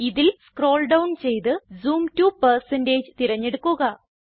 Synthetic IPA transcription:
iðilskro̞ːɭɖɐwnt͡ɕe̞jt̪ɨzuːmtupɐrsɐnde̞ːd͡ʑɨt̪iɾɐɲːe̞ɽukːuɣɐ

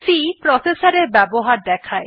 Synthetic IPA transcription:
sipɾɔsesaɾeɾbɛboɦaɾd̪ɛkʰae

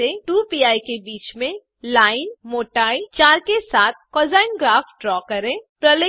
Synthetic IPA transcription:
eʈupiːaːikebiːt͡ʃmẽ | laːɪnmoːʈaːit͡ʃaːɾkesaːt̪̚ʰkɔːzaːɪnɡɾaːfɖɾɔːkɐɾẽːpɾɐl

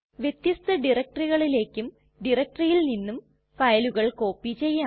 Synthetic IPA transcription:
ʋjet̪jɐst̪ɐɖirɐk̚ʈɐriɣɐɭile̞ːkʲːum | ɖirɐk̚ʈɐrijilninːum | fɐjɐluɣɐɭko̞ːpːit͡ɕe̞jːa

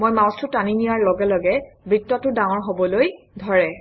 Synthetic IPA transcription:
mojmaw̃stʰʊtaninijaɹlɔɡɛlɔɡɛbɹitːɔtʊdãŋ̃ɔɹɦobɔloj | dʱɔɹɛ

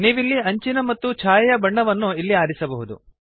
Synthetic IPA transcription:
niːʋilːiɐɲt͡ʃinɐmɐt̪ːut͡ʃʰaːjɐjɐbɐɳːɐʋɐnːuilːiaːɾisɐbɐɦud̪ṵ

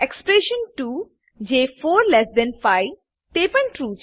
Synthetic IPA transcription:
ekspɾeʃə̃nʈu | d͡ʑefoɾlɛsd̪ɛ̃nfaj | t̪epãnʈɾut͡ʃʰ

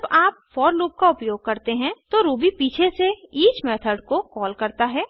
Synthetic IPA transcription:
baːpfɔːɾluːp̚kaʊpjoːɡ̚kɐɾt̪eɦɛ̃t̪oɾuːbipiːt͡ʃʰeseiːt͡ʃmɛːt̪ʰəɖkokɔːlkɐɾt̪aɦɛː

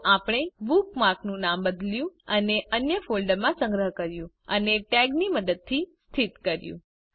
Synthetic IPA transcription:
apɽ̃ebukmaɾknũnambəd̪ljũəneʔənjəfolɖəɾmãsə̃ŋɡɾəɦkəɾjũ | əneʈɛɡniməd̪əd̪̚t̪ʰːist̪ʰit̪kəɾjṵ̃

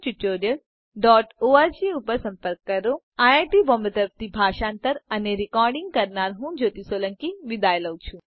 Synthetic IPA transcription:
t͡ʃuʈːoːɾjəɽ | ɖɔːʈoːaːɾd͡ʒiupəɾsɐ̃mpəɾkːɐɾo | aːjaːʈiʋɔ̃mbət̪əɾp̚t̪ibʱaːʃãːnt̪əɾɐneɾɪkɔːɾɖiŋɡkɐɾnaːɾɦũd͡ʒoːt̪isoːlɐ̃ŋkiʋid̪aːjlɐwt͡ʃʰu

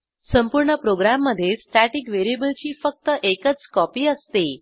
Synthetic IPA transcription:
səmpuɾɳəpɾoɡɾamːəd̪ʱːjesʈæʈikʋeɾiebəlt͡ɕiːfək̚t̪əʔekət͡skɔpiːəst̪e

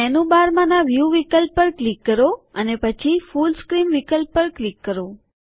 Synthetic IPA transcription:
ɛnũbaɾmãnãʋjuʋikəlpːəɾklikːəɾoənepət͡ʃʰifulskɾinʋikəlpːəɾklikːəɾo

